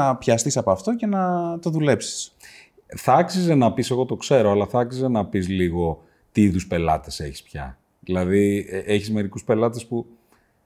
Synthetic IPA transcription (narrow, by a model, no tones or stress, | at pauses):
ɐpçɐst̪isɐpoɐft̪o̞ce̞nɐt̪o̞ðule̞psi̥s | θɐɐksize̞nɐpise̞ɣo̞t̪o̞kse̞ɾoɐlɐθɐɐksizenɐpizliɣo̞ | t̪iiðuspe̞lɐ̰t̪e̞se̞̰çi̥spçɐ̰ | ðilɐðiʔeçizme̞ɾikuspe̞lɐt̪espu